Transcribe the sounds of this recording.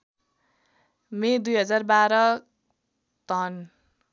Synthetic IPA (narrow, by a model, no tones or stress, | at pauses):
med̪ujɦʌd͡zarbaɾʌ | t̪ʌn